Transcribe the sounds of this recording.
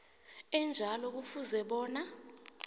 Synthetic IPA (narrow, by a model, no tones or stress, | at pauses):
ɛnd͡ʒʱalɔk̬ufuzɛɓɔːna